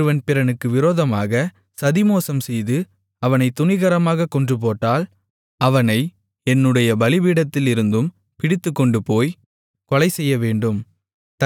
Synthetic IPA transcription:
ɯʋɐnpɪɾɐnɯkːɯʋɪɾoːðɐmaːɣɐ | sɐðɪmoːsɐmsɛjðɯ | ɐʋɐnɐɪt̪ːʊnɪɣɐɾɐmaːɣɐkɔɳdrɯp̬oːʈːaːl | ɐʋɐnɐɪ | ɛnːɯɽɐjɐbɐlɪʋiːɽɐt̪ːɪlɪɾɯnd̪ɯm | pɪɽɪt̪ːɯkːɔɳɖɯpoːj | kɔlɐɪsɛjːɐʋeːɳɖɯm | t̪

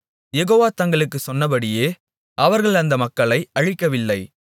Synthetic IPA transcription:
jɛɣoːʋaːt̪ɐŋɡɐɭɯkːɯsɔnːɐp̬ɐɽɪjeː | ɐʋɐɾɣɐɭɐnd̪ɐmɐkːɐɭɐɪɐɻɪkːɐʋɪlːɐɪ

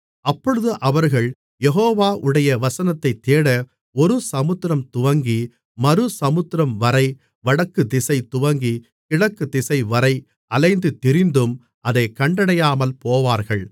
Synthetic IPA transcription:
ɐpːɔɻɯðɯʔɐʋɐɾɣɐɭ | jɛɦoːʋaːʔɯɽɐjɐʋɐsɐnɐt̪ːɐɪt̪ːeːɽɐ | ɔɾɯsɐmɯt̪ːɾɐmt̪ʊʋɐŋɡi | mɐɾɯsɐmɯt̪ːɪɾɐmʋɐɾɐɪ | ʋɐɽɐkːɯd̪ɪsɐɪt̪ːʊʋɐŋɡi | kɪɻɐkːɯd̪ɪsɐɪʋɐɾɐɪ | ʔɐlɐɪnd̪ɯt̪ːɪɾɪnd̪ɯm | ʔɐðɐɪkːɐɳɖɐɽɐjaːmɐlpoːʋaːɾɣɐɭ

